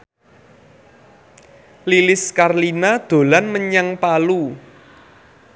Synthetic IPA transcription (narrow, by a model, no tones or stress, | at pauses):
lilɪskarlinad̪̥o̤lanməɲaŋpalu